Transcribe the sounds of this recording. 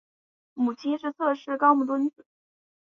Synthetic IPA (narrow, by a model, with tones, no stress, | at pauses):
mu˨˩t͡ɕʰi˥nʂɻ̩˥˧t͡sʰɤ˥˧ʂɻ̩˥kɑ˥ʊmu˥˩t̪wə˥nt͡sɹ̩˨˩˦